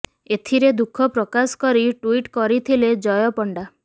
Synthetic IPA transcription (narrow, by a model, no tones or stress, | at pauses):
et̪ʰiɾed̪ukʰɔpɾɔkaskɔɾiʈwiʈkɔɾit̪ʰiled͡ʒɔjɔpɔɳɖa